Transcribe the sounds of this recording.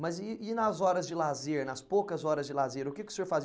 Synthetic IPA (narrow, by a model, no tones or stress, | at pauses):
mɐzɪɪnɐzɔɾɐzd͡ʒɪlazeɾnɐspokɐzɔɾɐzd͡ʒɪlazeɾʊkɪkɪʊ̥seɾfazi